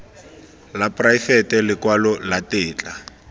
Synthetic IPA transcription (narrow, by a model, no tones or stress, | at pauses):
lapʼrajfɛtɛlɪkwalɔlatɪːt͡ɬʼa